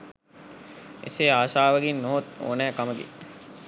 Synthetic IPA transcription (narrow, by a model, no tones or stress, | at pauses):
ḛseːaːsaːʋəɡinːoɦot̪o̰ːnæːkaməɡḛ